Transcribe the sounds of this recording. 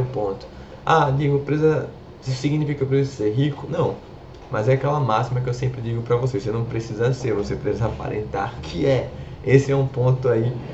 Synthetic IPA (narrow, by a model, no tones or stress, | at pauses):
ʊpõt̪ʊ̥ | ad͡ʒiɡʊpɾezɐ | ssiɡnifikɐwpɾesizɐseɾɦikʊnɐ̃w̃ | mɐzɛakɛlɐmasimɐk̬ɪewsẽmpɾɪd͡ʒiɡʊpɾɐvoseosenɐ̃w̃pɾesizɐseɾvosepɾesizɐapa̰ɾḛ̃nt̪a̰ɾkʰɪɛ | esɪɛũpõnt̪ʊai